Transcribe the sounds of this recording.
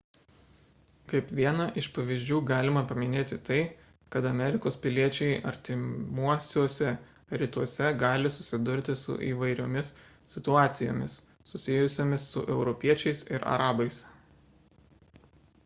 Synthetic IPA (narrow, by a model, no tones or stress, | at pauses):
kɐɪpʋʲiɛnɐʔɪʃpɐʋʲiːzʲd͡ʒʲuːɡɑːlʲɪmɐpɐmʲɪnʲeːt̪ʲɪt̪ɐɪ | kɐt̪ɐmʲɛɾʲɪkoːspʲɪlʲiɛt͡ʃʲɛɪɐ̰ɾʲt̪ʲɪmuɔsʲoːsʲɛ | ɾʲɪt̪uɔsʲɛɡɑːlʲɪsʊsʲɪd̪ʊɾʲt̪ʲɪsʊ̰ʔḭːʋɐɪɾʲo̰ːmʲɪssʲɪt̪ʊɑːt̪sʲɪjo̰ːmʲɪs | sʊsʲɪjʊsʲoːmʲɪsːʊ̰ʔɛʊɾɔpʲiɛt͡ʃʲɛɪsɪɾɐ̰ɾɑːbɐɪs